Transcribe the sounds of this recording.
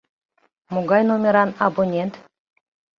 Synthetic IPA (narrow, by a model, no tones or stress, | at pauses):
moɡɑjnomʲeɾɑnabonʲent̪